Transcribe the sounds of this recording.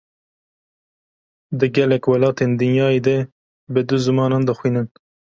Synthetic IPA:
d̪ɨɡɛlɛkwɛlɑːt̪end̪ɨnjɑːeːd̪ɛ | bɨd̪ɨzɨmɑːnɑːnd̪ɨxwiːnɨn

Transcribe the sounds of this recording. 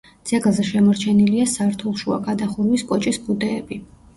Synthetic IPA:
d̪zʼɛɡlˠzɛʃɛmɔɾt͡ʃʰɛniliasaɾt̪ʰulˠʃua̰kʼad̪aχuɾmiskʼɔt͡ʃʼisbud̪ɛːbi

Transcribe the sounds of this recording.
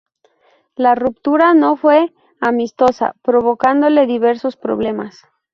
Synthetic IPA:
larup̚t̪uɾano̞fwe̞ | amist̪o̞sa̰pɾo̞βo̞kand̪o̞le̞ðiβe̞ɾso̞spɾo̞̰βle̞mas

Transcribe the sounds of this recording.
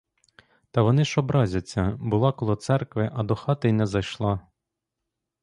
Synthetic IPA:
t̪ɐʋɔnɪʃɔbɾɑzʲɐt͡sʲːɐbʊlˠɑkɔlˠɔt̪sɛrkʋɪʔɐd̪ɔxɑt̪ɪinɛzɐjʃlˠɑ

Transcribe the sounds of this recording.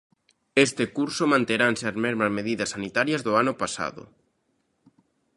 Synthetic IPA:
est̪ekuɾsomãnt̪eɾanseazmezmazmeðiðɐsanit̪aɾjazðʊanʊpasa̰ðʊ̰

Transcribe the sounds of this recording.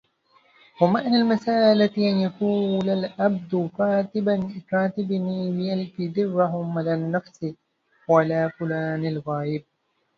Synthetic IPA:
hʊmaʔɪnalmasaːlat̪ʔanjakuːlalʔab̚d̪ʊkaːt̪ɪbakaːt̪ɪbniːwɪjalkɪd̪ɪrːaɦʊmalanːafsɪ | walaːfʊlaːnalɣaːjɪb̚

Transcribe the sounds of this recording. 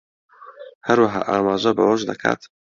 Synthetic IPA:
hɐɾwaɦɑ̰ːʔaːmaːʒɐba̰ʔoʃd̪ɐkʰa̰ːt̪

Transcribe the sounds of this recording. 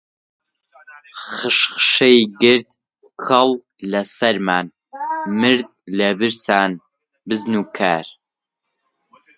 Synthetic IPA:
χəʃʃɛjɡɪɾd̪ | kʰɐlˠ | lɐsɐɾmaːn | mɨɾd̪̚lɐbɨɾsaːn | bɨznuːkʰaːɾ

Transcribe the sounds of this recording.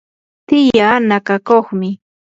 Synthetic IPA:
t̪ɪjaːnakakoχmɪ

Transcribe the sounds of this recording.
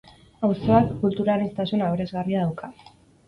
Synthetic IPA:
awso̞akːult̪uɾaɾest̪asunaβe̞ɾazɣariaðawka

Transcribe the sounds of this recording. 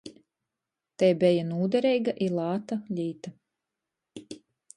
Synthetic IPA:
t̪ɛjbʲɛjanuːd̪ɛɾɛjɡaʔiɾlˠɑːt̪alʲiːt̪a

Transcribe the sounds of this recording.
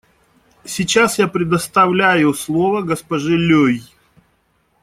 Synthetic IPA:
sʲɪt͡ɕasjapɾʲɪd̪əst̪ɐvlʲæjʊslˠovəɡəspɐʐɨlʲɵj

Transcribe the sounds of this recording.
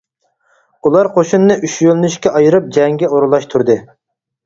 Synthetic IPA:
ulˠɑɾqʰoʃunːɨʔyʃjølˠnyʃkʲɛʔɑjɨɾɨp̚d͡ʒɛŋɡʲɛoɾulˠɑʃt̪ʰuɾd̪ɨ

